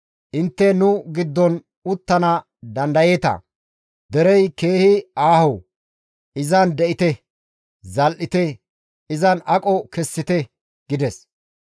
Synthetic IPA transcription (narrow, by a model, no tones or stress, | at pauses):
ʔɪnt̪ːɛnʊɡɪd̪ːɔn | ʊt̪ːɐnɐ | d̪ɐnd̪ɐjeːt̪ɐ̰ | d̪ɛɾɛjke̞ːhɪaːhɔ | ɪzɐnd̪ɛʔɪt̪ɛ | zɐlʔɪt̪ɛ | ɪzɐnɐkʼɔkɛsːɪt̪ɛ | ɡ̥ɪd̪ɛs